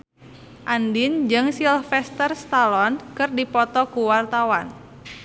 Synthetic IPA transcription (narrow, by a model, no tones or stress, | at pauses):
ʔandɪnd͡ʒɨŋsilfɛst̪ərst̪alɔnkɨrdipɔt̪ɔkuwart̪awan